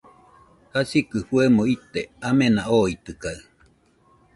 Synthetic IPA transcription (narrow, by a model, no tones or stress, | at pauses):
hasikɨɸuemõit̪eamenaʔoit̪ɨkaɨ